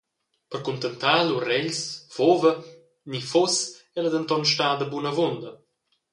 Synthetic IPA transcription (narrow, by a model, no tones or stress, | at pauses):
pərkunt̪ənt̪aːlurɛʎsfovə | nifosɛləd̪ənt̪ɔnʃtaːd̪əbunəvond̪ə